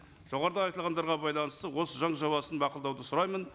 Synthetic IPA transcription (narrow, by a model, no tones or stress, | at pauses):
ʒ̥o̞ʁɑɾəd̪əɑjt̪əlˠʁɑnd̪ɑɾʁɑbɑjlˠɑnəst̪əwo̞səʒɑɴʒɑwɑsənbɑqəlˠd̪ɑwd̪əsʊɾɑjmən